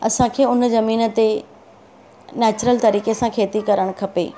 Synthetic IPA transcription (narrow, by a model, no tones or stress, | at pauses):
ɐsãkʰeːʊnzɐmiːnə̆t̪e | nɛːt͡ɕɾəlt̪ɐɾiːkesãkʰeːt̪ikɐɾəɽ̃kʰɐpḛː